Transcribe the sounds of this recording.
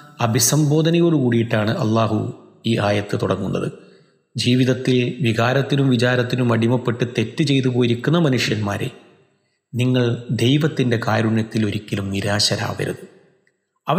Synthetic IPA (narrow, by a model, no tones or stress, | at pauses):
ɐbʱisɐmbo̞ːd̪ʱɐnɐɣoːɭukuːɽijiʈːaːɳɨʔɐlːaːɦuiːʔaːjɐt̪ːɨt̪uɽɐ̰ŋːunːɐ̰ðɨ̰ | d͡ʑiːʋiðɐt̪ːilʋiɣaːɾɐt̪ːinumʋit͡ɕaːɾɐt̪ːinumɐɽimɐpːe̞ʈːɨt̪e̞tːɨt͡ɕe̞jt̪upoːjiɾikʲːunːɐmɐnuʂjɐnma̰ːɾḛ | niŋːɐɭd̪e̞jʋɐt̪ːinde̞kaːɾuɳjɐt̪ːilo̞ɾikʲːɐlumniɾaːɕɐɾa̰ːʋɐ̰ɾɐ̰ðɨ | ɐʋɐ